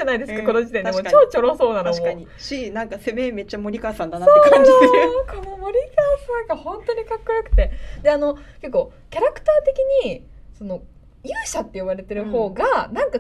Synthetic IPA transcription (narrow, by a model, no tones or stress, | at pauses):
anaid̪e̞sɨkakono̞d͡ʑi̥t̪e̞ɲd̪eo̞t͡ɕoːt͡ɕo̞ɾoso̞ːnat̪omoai | ɕinãŋkase̞meme̞t͡ɕːamo̞ɾʲikaːsãnd̪ansoːeko̞nomo̞ɾʲikaːsãŋɡahõ̞nt̪o̞ɲ̟ikakːo̞jokɯ̟̥t̪e̞d̪e̞ano̞ke̞kːo̞ː | kʲaɾakɯ̟̥t̪aːt̪e̞kʲiɲ̟i | so̞no̞ | iɯɕat̪ːe̞iβaɾe̞t̪e̞ɾɯ̟ho̞ːɡanãŋka